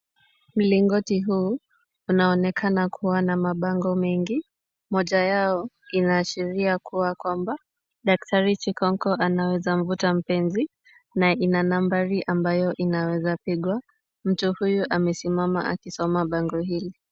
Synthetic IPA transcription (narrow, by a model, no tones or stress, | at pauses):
m̩liŋɡɔtiɦuː | unaɔnɛkʰanakʰuwanamaɓaŋɡɔmɛŋɡi | mɔʄajaɔ | inaːʃiɾiakuwakwamba | ɗak̚taɾit͡ʃikɔŋkɔanawɛzam̩vutam̩pɛnzi | naʔinanambaɾiʔambajɔʔinawɛzapiɠwa | m̩tuhujuʔamɛsimama̰ʔa̰kisɔmaɓaŋɡɔɦili